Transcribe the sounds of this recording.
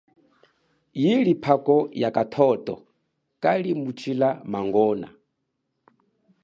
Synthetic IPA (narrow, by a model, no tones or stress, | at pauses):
jilipʰakɔjakʼatʰɔtʼɔ̰ | kʼalimut͡ʃʰilamaŋɡɔːna̰